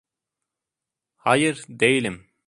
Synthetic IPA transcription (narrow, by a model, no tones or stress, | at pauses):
hɑjɯɾd̪ejilʲim